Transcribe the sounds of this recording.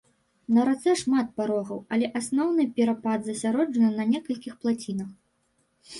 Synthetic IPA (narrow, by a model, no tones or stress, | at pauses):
nɐɾat̪sɛʂmat̪̚paɾɔɣɐwɐlʲɛʔasnɔwnɨpʲɛɾapad̪zɐsʲaɾɔd͡ʐɐnɨnɐnʲɛkɐlʲkʲixplˠat͡sʲinɐx